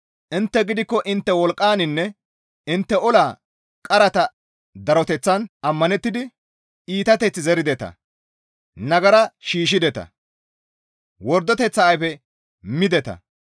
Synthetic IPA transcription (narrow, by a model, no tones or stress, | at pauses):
ʔɪnt̪ːɛɡɪd̪ɪkːɔʔɪnt̪ːɛwɔlkʼːaːnɪnːɛ | ɪnt̪ːɛɔlaː | kʼɐɾɐt̪ɐ | d̪ɐɾɔt̪ɛt͡sːɐnɐmːɐnɛt̪ːɪd̪ɪ | iːt̪ɐt̪ɛt͡sːɪzɛɾɪd̪ɛt̪ɐ̰ | nɐɡɐɾɐʃiːʃ̬ɪd̪ɛt̪ɐ̰ | wɔɾd̪ɔt̪ɛt͡sːɐːjfɛ | mɪd̪ɛt̪ɐ̰